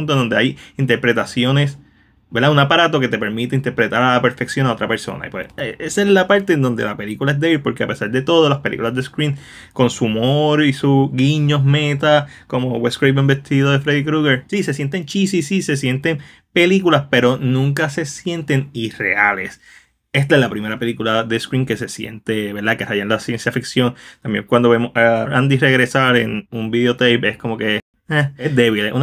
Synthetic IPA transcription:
unt̪ond̪od̪eajint̪e̞ɾpɾe̞t̪asjo̞ne̞s | be̞ɾd̪auŋapaɾat̪o̞ke̞t̪e̞pe̞ɾmit̪eint̪e̞ɾpɾe̞t̪aɾalape̞ɾfe̞ksjo̞nao̞t̪ɾape̞ɾso̞̰na̰ḭpwḛseʔesezlapaɾt̪e̞ːnd̪o̞nd̪e̞lape̞likulaezd̪eilpo̞ɾkeape̞saɾd̪e̞t̪o̞ð̞o̞laspelḭkulazd̪eskɾĩn | ko̞nsumoɾisuɡiɲo̞ɦme̞t̪a | ko̞mo̞weskɾejbembest̪iðoðe̞fɾeðikɾuɣeɾsise̞sje̞nt̪e̞nt͡ʃisisisesje̞nt̪e̞ŋ | pe̞likulaspe̞ɾo̞nũŋkase̞sje̞nt̪e̞ŋire̞̰ale̞̰s | e̞st̪aelapɾime̞ɾape̞likulaðe̞skɾiŋke̞se̞sjḛnt̪e̞βe̞ɾd̪akerajanlasje̞nsjafiksjo̞nt̪ambjḛŋkwand̪oβe̞mosarand̪ire̞ɣɾe̞saɾe̞̰numbiðeo̞t̪ejpe̞sko̞mo̞ke̞ | aezd̪e̞βilḛʔṵn

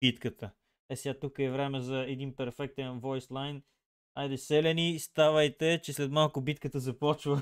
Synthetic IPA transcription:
bit̪kət̪ə | ɛsɛat̪ukəɛvɾɛmɛzɐɛd̪inpɛɾfɛk̚t̪ɛnvɔjslˠajn | ajd̪ɛsɛlʲɛnist̪avəjt̪ɛt͡ʃɛslɛt̪malˠkʊbit̪kət̪əzɐpɔt͡ʃvə

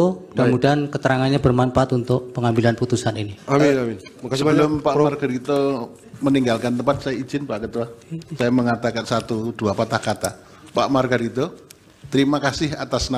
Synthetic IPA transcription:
odamudaankət̪əɾaŋanɲabərmampaat̪unt̪ʊk̚pəŋambilanput̪usaniniai | əlʊmpamarɡəɾit̪o | məniŋɡalkant̪əmpat̪̚sajai̥z̥ɪnpaʔkət̪uasajaməŋat̪akansat̪ud̥uapat̪ahkat̪a | pa̰ʔmarɡəɾit̪o | t̪əɾimakasɪha̰t̪asna

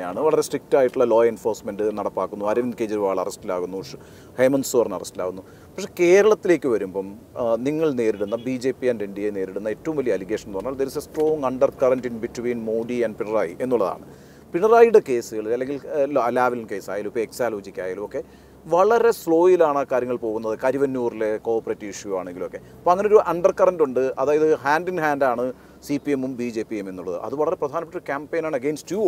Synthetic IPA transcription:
jaːɳɨʋɐɭɐɾe̞sʈrik̚taːjiʈːuɭːɐlo̞ːjenfo̞ːrsmenɖɨnɐɽɐpːaːkːunːuɐɾiʋɐnkeːd͡ʑiɾuʋaːɭɐ̰rɐstilaːɣunːuʂɨ | hejmɐnsoːrnɐ̰rɐstila̰ːɣunːu | pɐkʂeke̞ːɾɐɭɐt̪ːile̞ːkʲːɨʋɐɾumbom | niŋːɐɭne̞ːɾiɽunːɐbid͡ʑe̞ːpːiɐndeiɳɖijene̞ːɾiɽunːɐe̞tːɐʋumʋɐlijɐliɣe̞ːʂɐnpɐrɐɲːaɐɭd̪eɾisɐsʈro̞ːŋɐɳɖɐrkɐrɐnʈiːnbitʋiːnmoːɖiɐɳɖpiɳɐra̰ːje̞nːuɭːɐða̰ːɳɨ | piɳɐraːjɽeke̞ːsɨɣɐɭilɐlːe̞ŋɡilloɐlːaːʋelnke̞ːsa̰ːjalumpːoeksaːloːd͡ʑikʲːa̰ːjalumo̞kːe̞ | ʋɐɭɐɾe̞sɭo̞ːjilaːɳɐkːaːɾjɐŋːɐɭpo̞ːɣunːɐðɨkɐɾiʋɐnːuːrile̞ko̞ːrpːɐretːiʂjua̰ːɳe̞ŋɡilumo̞kːe̞ | poːɐŋːɐneoɾuʔɐɳɖɐrkɐrɐnduɳɖɨɐðaːjɐðɨhaːndinhaːndaːɳɨ | sipiemumbid͡ʑe̞ːpːieme̞nːuɭːɐ̰ðɨ̰ʔɐ̰ðɨʋɐɭɐɾe̞prɐd̪ʱaːnɐpːɐʈːuoɾukʲaːmpejnaːɳɐɡe̞ːnstju

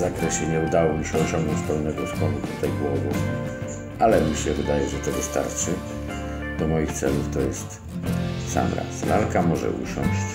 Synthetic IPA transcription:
zakɾɛɕɛɲɛud̪awɔmʲiɕɛɔɕɔ̃ŋɡnɔ̃ɲt͡ɕspɛwnɛɡɔspɔnut̪ut̪ajɡwɔvɔ | ʔalɛmʲiɕɛvɨd̪ajɛʐɛt̪ɔvɨst̪a̰ɾt͡ʂɘ | d̪̥ɔmɔjixt̪sɛ̰luft̪ɔjɛst̪ | sa̰mɾa̰slalkamɔʐɛ̰ʔṵɕɔ̰ɲɕt͡ɕ

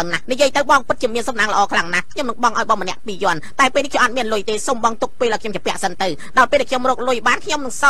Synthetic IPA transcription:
nahnijiəjt̪ɨwɓɑŋpɨt̪̚t͡ɕiəmiənsɑmnaːŋlə̆ʔɑːkʰlaŋnahkʰɲomnɨŋɓɑŋʔaɔjɓɑmənɛ̆əʔpiːjŏənt̪aɛpeːlnihkʰɲomʔat̪̚miənlʊjt̪eːsoːmɓɑŋt̪uk̚peːlʔaɔkʰɲomt͡ɕapɛ̆əʔsənt̪ɨw | ɗɑlpeːlʔɛkʰɲomrɔːk̚lʊjɓaːnkʰɲomnɨŋsɑ

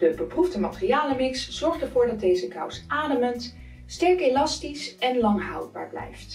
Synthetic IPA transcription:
d̥əbəprufdəmatərijaːləmɪksz̥ɔɹχtəɹvʊːɹdɑd̚ejzəkʌ̰wsʔaːdəmənt | stɛɹkelɑstisɛnlɑŋɦɑ̰wd̚ba̰ːɹblɛ̰jft

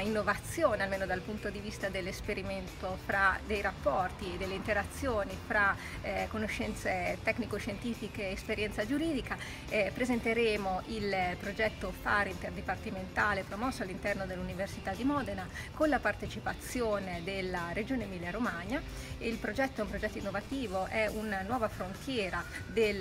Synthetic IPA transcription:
inːovat̪sːjoːnealmeːnod̪alpunt̪od̪ivist̪ad̪elːespeɾiment̪ofɾad̪ejɾapːɔrt̪ied̪ːelːeint̪eɾat̪sːjoːnifɾa | konoʃːɛnt̪set̪ɛkːnikoʃːent̪iːfikeːspeɾjɛnt̪sad͡ʒuɾiːd̪ika | pɾezent̪eɾeːmoʔilpɾod͡ʒɛt̪ːofaːɾint̪erd̪ipart̪iment̪aːlepɾomɔsːoalːint̪ɛrnod̪elːuniversit̪ad̪ːimɔːd̪ena | konlapart̪et͡ʃipat̪sjoːned̪elːaɾed͡ʒoːnemiljaɾomaɲa | eilpɾod͡ʒɛt̪ːoɛumpɾod͡ʒɛt̪ːoinːovat̪iːvoʔɛunanwɔːvafɾont̪jɛːɾad̪el

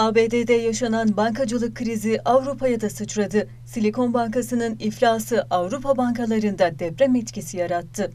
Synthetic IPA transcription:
aːbeːd̪ed̪ɛjaʃananbaŋkʰad͡ʒɯlˠɯkʰːɾiziʔavɾupʰajad̪asɯt͡ʃɾad̪ɯ | silʲiko̞nbaŋkasɯnɯniflʲaːsɯʔavɾupʰabaŋkalˠaɾɯnd̪ad̪ɛpɾɛmɛt̪cʰisijaɾat̪ʰːɯ

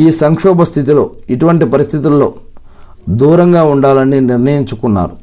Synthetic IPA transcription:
iːsɐŋkʂɔːbɐst̪ʰit̪ilo̞ːiʈuʋɐɳʈipɐɾist̪ʰit̪ulːo̞ː | d̪uːɾɐŋɡaːuɳɖaːlɐniniɾnɐjiɲt͡ʃukunːa̰ːɾu

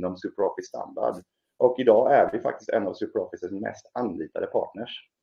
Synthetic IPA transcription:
ɔmsʉːpɾɔfɪssːt̪ʰa̰nd̪a̰ɖ | ʔɔkɪd̪ɑːæɾvɪfa̰kt̪ɪst̪ɛ̰navsʉːpəɾɔfɪsəsmɛ̰st̪anliːt̪ad̪əpʰɑ̰ːʈɳəʂ

